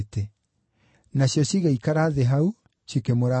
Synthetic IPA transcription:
te | nasjɔsiɣeikaɾaðeɦau | sikemoɾa

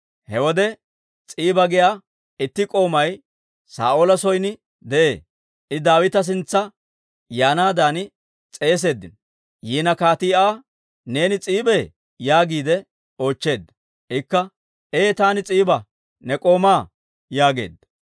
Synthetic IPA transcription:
hɛwɔd̪ɛ | t͡sʼiːbɐɡɪjaː | ɪt̪ːɪkʼo̞ːmɐj | sa̰ːʔoːlɐsɔjnɪ | d̪ɛʔe̞ː | ʔɪd̪aːwɪt̪ɐs̬ɪnt͡sːɐ | jaːnaːd̪aːnɪ | t͡sʼe̞ːs̬e̞ːd̪ːɪn | jiːnɐkaːt̪ɪjaː | ne̞ːnɪt͡sʼiːbe | jaːɡiːd̪ɛ | o̞ːt͡ʃːe̞ːd̪ːɐ | ʔɪkːɐ | ʔeːt̪aːnɪt͡sʼiːbɐ | nɛkʼo̞ːmaː | jaːɡe̞̰ːd̪ːɐ̥

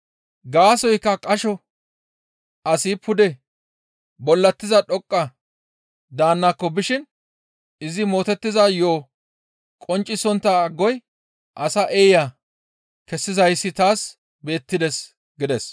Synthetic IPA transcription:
ɡaːsɔjkːɐkʼɐʃɔ | ʔɐsɪpʰʊd̪ɛ | bɔlːɐt̪ːɪzɐɗɔkʼːɐ | d̪aːnːakːɔbɪʃɪn | ɪzɪmo̞ːt̪ɛt̪ːɪzɐjoː | kʼɔnt͡ʃʼːɪsɔnt̪ːaɡːɔj | ʔɐsɐʔeːja | kɛsːɪzɐjsːɪt̪aːs | be̞ːt̪ːɪd̪ɛs | ɡɪd̪ɛs

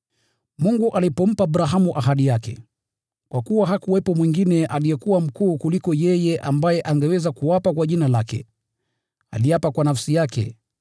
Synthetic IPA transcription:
muŋɡuʔalipɔm̩paːbɾaɦamuʔaɦaɗijakɛ̰ | kwakuwaɦakuwɛpɔmwiŋɡinɛʔalijɛkuwam̩kuːkulikɔjɛjɛʔambajɛʔaŋɡɛwɛzakuwapakwaʄinalakɛ̰ | a̰lijapakwanafsijakɛ̰

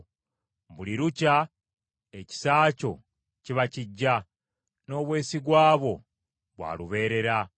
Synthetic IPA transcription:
buliɾuca | eci̥saːco̞̰ | ciβaciɟːa | no̞ːβwe̞ːsiɡwaːβo̞ | βwa̰ːluβe̞ːɾe̞ɾa

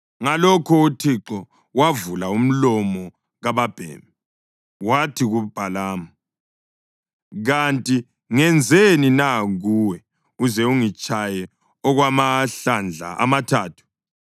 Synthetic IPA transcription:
ŋalɔkʰɔutʰiǁɔ | wavulaum̩lɔmɔ | ɣaβab̥ʱɛ̰ːmɛ | watʰiɣub̥ʱalaːma | ɣantʼi | ŋɛnd͡zʱeninaɣuːwɛ | uzɛuŋit͡ʃʼajɛ | ɔɣwamaɬand͡ɮʱa̰ʔa̰matʰaːtʰu̥

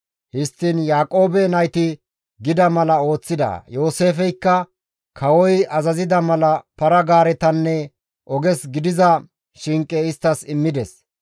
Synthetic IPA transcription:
hɪst̪ːɪnjaːkʼo̞ːbɛnɐjt̪ɪ | ɡɪd̪ɐmɐlɐo̞ːt͡sːɪd̪ɐ̰jo̞ːse̞ːfɛjkːɐ | kʰɐwɔjɐzɐzɪd̪ɐmɐlɐpɐɾɐɡaːɾɛt̪ɐnːɛ | ʔɔɡɛsɡɪd̪ɪzɐ | ʃɪŋkʼːɛɪst̪ːɐsɪmːɪd̪ɛs

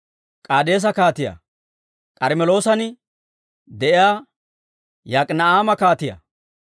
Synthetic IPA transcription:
kʼaːd̪e̞ːs̬ɐkaːt̪ɪja̰ | kʼɐɾmɛlo̞ːsɐn | d̪ɛʔɪjaː | jakʼnɐaːmɐkaːt̪ɪjɐ̰

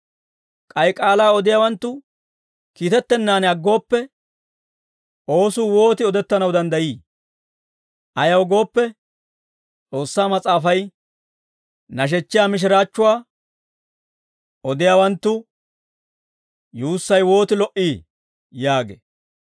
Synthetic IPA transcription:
kʼɐjkʼaːlaːɔd̪ɪjaːwɐnt̪ːʊ | kiːt̪ɛt̪ːɛnːaːnɐɡːo̞ːpːɛ | o̞ːsʊːwo̞ːt̪ɪɔd̪ɛt̪ːɐnɐwd̪ɐnd̪ɐjiː | ʔɐjɐwɡo̞ːpːɛ | t͡sʼo̞ːsːaːmɐt͡sʼaːfɐj | nɐʃ̬ɛt͡ʃːɪjaːmɪʃ̬ɪɾaːt͡ʃːʊwaː | ʔɔd̪ɪjaːwɐnt̪ːʊ | juːsːɐjwo̞ːt̪ɪlɔʔiː | jaːɡḛː

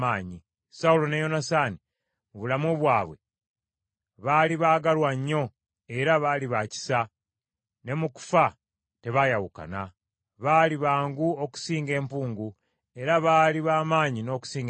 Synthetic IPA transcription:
aːɲi | saulo̞nejo̞nasaːni | βulamoβwaːβwe̞̰ | βaːliβaːɡalwaɲːo̞ | e̞ɾaβaːliβaci̥sa | ne̞muku̥fa | te̞βajawuka̰na | βaːliβaːŋɡuo̞ku̥siːŋɡe̞ːmpuːŋɡu | e̞ɾaβaːliβaːmaːɲino̞ːku̥siːŋɡ

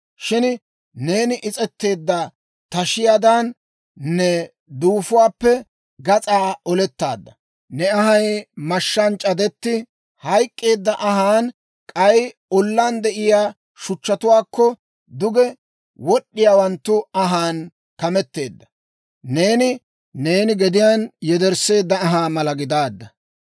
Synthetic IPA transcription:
ʃɪn | ne̞ːnɪʔɪt͡sʼɛt̪ːe̞ːd̪ːɐ | t̪ɐʃɪjaːd̪ɐn | nɛ | d̪uːfʊwaːpːɛ | ɡɐt͡sʼaːɔlɛt̪ːa̰ːd̪ːɐ | nɛɐɦɐjmɐʃːɐnt͡ʃʼɐd̪ɛt̪ːɪ | hɐjkʼːe̞ːd̪ːɐʔɐɦaːn | kʼɐjɔlːaːnd̪ɛʔɪjaː | ʃʊt͡ʃːɐt̪ʊwaːkːɔ | d̪ʊɡɛ | wɔɗːɪjaːwɐnt̪ːʊɐɦaːn | kɐmɛt̪ːe̞̰ːd̪ːɐ̥ | ne̞ːnɪ | ne̞ːnɪɡɛd̪ɪjaːnjɛd̪ɛɾse̞ːd̪ːɐːɦaːmɐlɐɡɪd̪aːd̪ːɐ

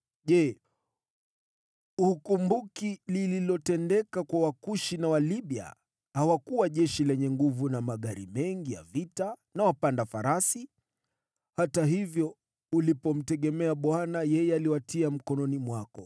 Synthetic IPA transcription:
ʄɛ | uukumbukilililɔtɛndɛkakwawakuʃinawaliɓia̰ | hawakuwaʄɛʃilɛɲɛŋɡuvunamaɠaɾḭmɛŋɡija̰vitanawapandafaɾasi | hataɦivjɔ | ulipɔm̩tɛɠɛmɛaɓwanajɛjɛaliwatʰiam̩kɔnɔnimwakɔ

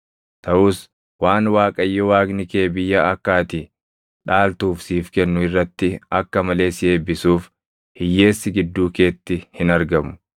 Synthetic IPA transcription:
t̪ɐʔʊs | waːnwaːkʼɐjːɔwaːɡnɪkeːbɪjːɐɐkːaːt̪ɪ | ᶑaːlt̪uːfsiːfkɛnːʊɪrːɐt̪ːɪɐkːɐmɐle̞ːsɪeːbːɪsuːf | hɪjːe̞ːsːɪɡɪd̪ːuːke̞ːt̪ːɪhɪnɐɾɡɐmʊ̥

